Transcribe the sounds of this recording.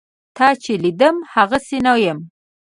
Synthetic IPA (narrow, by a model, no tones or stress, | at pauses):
t̪ɑt͡ʃelid̪əmhaɣasenawjəm